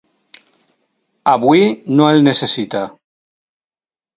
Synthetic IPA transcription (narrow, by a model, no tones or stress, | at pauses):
aβwinoelnesesit̪a